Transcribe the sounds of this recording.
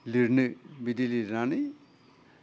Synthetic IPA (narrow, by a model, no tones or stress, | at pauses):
liɾnɯbid̪iliɾani